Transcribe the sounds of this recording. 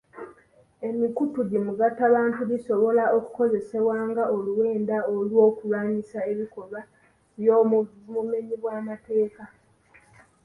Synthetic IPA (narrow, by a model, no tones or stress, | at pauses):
e̞mikutuɟimuɡatːaβaːntuβiso̞βo̞lao̞ku̥ko̞ze̞se̞βwaːŋɡaoluwe̞ːndaolwo̞ːkulaːɲisae̞βiko̞lwa | βjomume̞ɲiβwaːmate̞ːka